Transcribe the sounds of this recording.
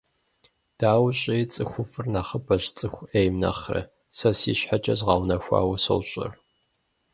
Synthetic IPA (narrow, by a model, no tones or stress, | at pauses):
d̥aːwɕʼijt͡sʼɨxʷʊfɨrnaχəbɐɕt͡sʼɨxʷejmnɐ̰χrɨ̰ | sɐsḭːɕħat͡ʃʼɐzʁɑwnɐxʷa̰ːwɐso̰wɕʼɪ̰r